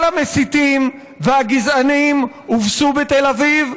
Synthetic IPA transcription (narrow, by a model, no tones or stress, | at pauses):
lamesit̪im | veaɡizanim | uvsubet̪elaviv